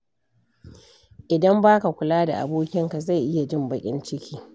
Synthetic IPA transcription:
ʔɪ˨dɐ˦mbaː˦ka˨kʷʊ˨laː˦da̰˨ʔa̰˨boː˦kʲɪ˦ŋka˨za˦˨jʔɪ˦ja˨d͡ʒɪ˦˨mbɐ˨kʲʼɪ̰˦nt͡ʃɪ˦kʲiː˦

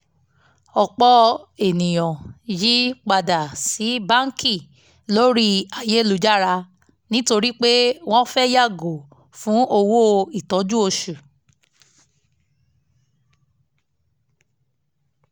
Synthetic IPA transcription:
ɔ˨k͡pɔ˧e˨nĩ˨j̃ɔ̃˨ji˦k͡pa˧da˨si˨˦bã˦ŋ˦kʰi˦˨ | lo˦ɾi˦a˨je˨˦lu˨˦d͡ʒa˦˨ɾa˧ | nĩ˦to˧ɾi˦k͡pe˦w̃ɔ̃˦fɛ˦ja˦˨ɡo˨ | fũ˨˦o˧wo˦i˦˨tɔ˨˦d͡ʒu˦o˧ʃu˨

